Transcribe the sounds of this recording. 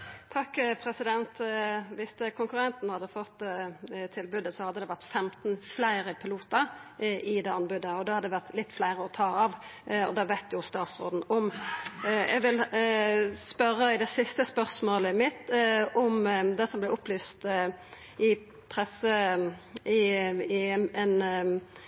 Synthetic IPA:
t̪ʰɑkːpʰɾɛsɪd̪ɛnt̪ʋɪst̪əkʰʊŋkʉʁɛnt̪n̩hɑd̪ːəfɔt̪ːt̪ʰɪlbʉd̪ːəsɔhɑd̪ːəd̪ɛːʋæʁt̪fɛmt̪n̩flæɪɾəpʰɪluːt̪əɾʔɪd̪eːɑnbʉd̪əɔd̪ɛhɑd̪əd̪ɛʋæʁt̪lɪt̪ːflæɪʁəɔt̪ʰɑːɑʋɔ̰d̪ɑʋæɪt̪ʰjʊst̪ɑːt̪sʁoːd̪n̩ɔm | ɛ̰ɡʋɪl | spœɾːəɪd̪ɛsɪst̪əspœʁsmoːləmɪt̪ɔmd̪ɛsɔmblɛʊplyːst̪ | ɪ | pʰʁɛsə | ɪ | ɛn

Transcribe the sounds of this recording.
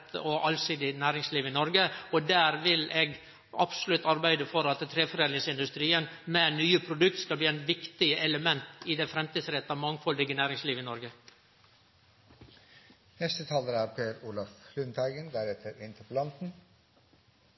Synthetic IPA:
t̪ʰəɔʔɑlsiːd̪ɪnæːɾɪŋsliːʋɪnɔɾɡəɔd̪æːɾʋɪlʔeːɡ | ɑpsʊlʉt̪ːɑɾbæɪd̪əfɔɾɑt̪t̪ʰːɾeːfɔɾeːnɪŋsɪnd̪ʉst̪ɾiːənmɛnyːəpʰɾʊd̪ʉk̚t̪skɑlbliːæɪnʋɪkt̪ɪəʔɛləmɛnt̪ɪd̪ɛfɾɛmt̪ʰiːd̪sɾɛt̪ːɑmɑŋːfɔld̪ɪɡənæːɾɪŋsliːʋɪnɔɾɡə | nɛst̪ət̪ʰɑːləɾæːɾpʰeːɾuːlɑflʉnt̪ʰæɪɡənd̪æɾɛt̪ʰːəɾɪnt̪ʰəpəlɑnt̪n̩

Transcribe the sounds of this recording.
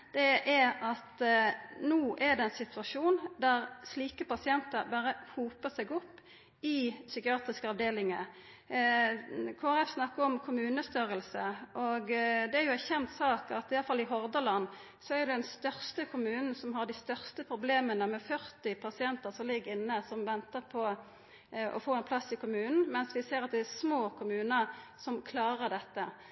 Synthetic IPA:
d̪̥ɛʔæɾɑt̪nuːʔæɾd̪ɛɛnsɪt̪ʋɑʂuːnd̪æʁsliːkəpɑsɪɛnt̪əɾbɑɾəhuːpəsɛɡɔpː | ɪsʏkɪɑːt̪ʁɪskəɑʋd̪eːlɪŋə | kʰoːæʁɛfsnɑkːəɔmkʰʊmʉːnəst̪yɾəlsəʔɔɡd̪ɛæɾjʊæɾçɛnt̪sɑːkɑt̪ɪjɑləfɑlːɪɦɔʁd̪əlɑnː | sɔæɾjʊd̪ɛd̪ɛnst̪œʁst̪əkʰʊmʉːnn̩sɔmɦɑʁɖ̪ɪst̪œʁst̪əpʰɾʊbleːmənəmɛfœʁt̪ɪpʰɑsɪɛnt̪əʁsɔmlɪɡːəɪnːəsɔmʋɛnt̪əʁpʰɔ | ɔ̰foːɛnpʰlɑsːɪkʊmʉːnn̩mɛnsʋɪseːʁɑt̪̚d̪ɛæsmoːkʰʊmʉːnəsɔmkʰlɑːʁəʁɖ̪ɛt̪ːə

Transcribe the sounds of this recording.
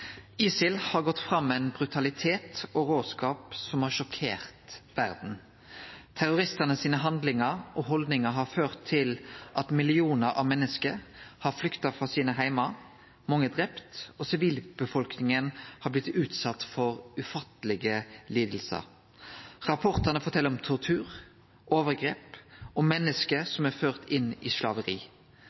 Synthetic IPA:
iːsɪlhɑɾɡɔt̪ːfɾɑmːɛɪnbʁʉt̪ʰɑlɪt̪ʰeːt̪ɔɾoːd̪skɑːpsɔmhɑːʃɔkʰḛːʁt̪ʋæʁd̪n̩ | t̪ʰæɾʊɾɪst̪ənəsiːnəɦɑnd̪lɪŋəɾʔɔɦɔld̪nɪŋəɦɑføːʁt̪ʰːɪlʔɑt̪mɪlɪuːnəɾʔɑ̰mɛnːəskəɾhɑɾflʏkt̪ɑfʁɑːsiːnəɦæɪmɑ | mɑŋːəd̪ʁɛpt̪oːsɪʋiːlb̥əfɔlknɪŋənhɑːblɪt̪ʉːt̪sɑt̪ːfɔʁʉfɑt̪ːəlɪɡəliːd̪l̩sə̰ɾ | ʁɑpʰɔʁt̪ənəfɔt̪ʰɛlːəɔmt̪ʰɔʁt̪ʰʉːʁ | ʔoːʋəʁɡʁeːpʔɔːmɛnːəskəsɔmæɾføːʁt̪ɪnḭːʃlɑːʋəʁḭː

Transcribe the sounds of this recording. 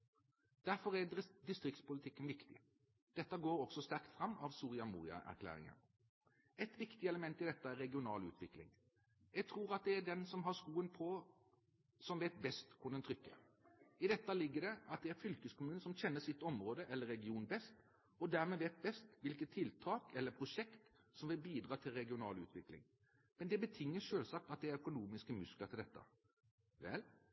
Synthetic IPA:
d̪̥æɾfɔɾæd̪ɪst̪ɾɪkt̪spʊlɪt̪ʰɪkːənʋɪkt̪ɪ | d̪̥ɛt̪ːɑɡoːɾɔksɔst̪æɾkt̪fɾɑmːɑʋsuːʁɪɑmṵːɾɪɑ̰ʔæ̰ɾkʰlæ̰ːɾɪ̰ŋə̰n | ɛt̪ʋɪkt̪ɪɛləmɛnt̪ɪd̪ɛt̪ːəæɾːɛɡɪʊnɑ̰ːlʉ̰ːt̪ʰʋɪklɪ̰ŋ | jɛɡ̚t̪ʰɾuːɾɑt̪̚d̪ɛæɖɛnsɔmɦɑɾskuːənpʰɔ | sɔmʋeːt̪̚bɛst̪kʰʊnd̪ənt̪ʰɾʏkːə̰ | ɪd̪ɛt̪ːɑlɪɡːədɛɑt̪̚d̪ɛæɾfʏlkəskʰʊmʉːnəsɔmçɛnːəsɪt̪ːɔmɾoːd̪əʔɛlːəɾːɛɡɪuːnbɛst̪ | ɔd̪æːɾmɛːʋeːt̪̚bɛst̪ʋɪlkət̪ʰːɪlt̪ʰɑːkɛlːəpʰɾʊʂɛkt̪ | sɔmʋɪlbiːd̪ɾɑːt̪ʰɪlɾɛɡɪʊnɑːlʉ̰ːt̪ʰʋɪklɪ̰ŋ | mɛnd̪ɛbət̪ʰɪŋːəʂøːlsɑːk̚t̪ɑt̪̚d̪ɛæɾœkʊnuːmɪskəmʉsklət̪ɪld̪ɛt̪ːə̰ | ʋɛ̰l

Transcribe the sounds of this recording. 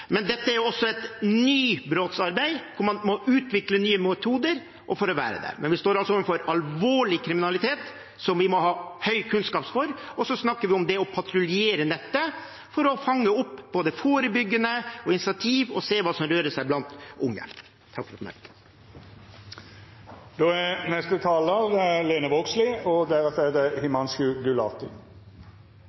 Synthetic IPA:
mɛnd̪ɛt̪ːəæɾjʊɔsːɔɛt̪nyːbɾoːt̪sɑɾbæɪkʰʊɾmɑnmɔʔʉːt̪ʋɪklənyːəmɛt̪ʰuːd̪əɾ | ʔɔfɔɾɔʋæ̰ːɾə̰d̪æ̰ɾmʔɛ̰nʋɪst̪oːɾɑlsɔɔəfɔɾɑlʋoːɭɪkʰɾɪmɪnɑlɪt̪ʰeːt̪ | sɔmʋɪmɔhɑːhœʏkʰʉnskɑːpsfɔɾɔsɔsnɑkːəɾʋɪʊmd̪ɛɔpʰɑt̪ɾʊlɪeːɾənɛt̪ːə | fɔɾɔfɑŋːəʊpːb̥oːd̪əfoːɾəbʏɡːənəɔɪnɪsɪɑt̪ʰiːʋɔseːʋɑːsɔmɾøːɾəsæɪblɑnt̪ʊŋːə̰ | t̪ʰɑkfɾɔt̪mɛ̰ | d̪oːænɛst̪ət̪ʰɑːləɾəleːnəʋɔɡslɪɔd̪æɾət̪ed̪əhɪmɑnskʉːɡʉlɑ̰ːt̪ɪ

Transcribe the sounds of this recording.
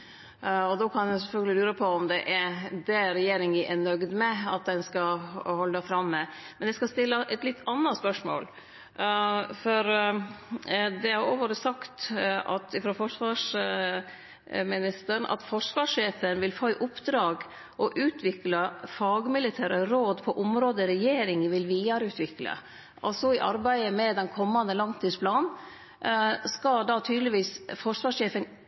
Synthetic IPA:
ɔd̪oːkʰɑnjɛsɛfœlɡəlɪlʉːɾəpʰɔɔmd̪ɛʔæd̪ɛɾɛjeːɾɪŋəʔɛnœɡd̪mɛɑt̪̚d̪ɛnskɑhɔlːd̪ɑfɾɑmːɛ | mɛnɛɪskɑst̪ɪlːəʔɛt̪lɪt̪ːɑnːɑspœʂmo̰ːl | fɔɾ | d̪ɛhɑɾoːʋəɾəsɑkt̪ɑ̰t̪ɪfɾoːfɔʂʋɑːʂ | mɪnɪst̪əɳɑ̰t̪fɔʂʋɑːʂeːfənʋɪlfoːɪʔʊpd̪ɾɑːɡ | ʔɔʔʉːt̪ʰʋɪkləfɑːɡmɪlɪt̪ʰæːɾəɾoːd̪pʰɔʔʊmɾoːd̪əɾɛjeːɾɪŋʋɪlʋiːɑɾʉːt̪ʰʋɪklə̰ | ʔɔ̰sɔɪʔɑ̰ɾbæɪəmɛd̪ɛnkʰɔmːɑnd̪əlɑŋt̪ʰiːspʰlɑːn | skɑd̪ɑːt̪ʰyːd̪lɪʋiːsfɔʂʋɑːʂeːfən

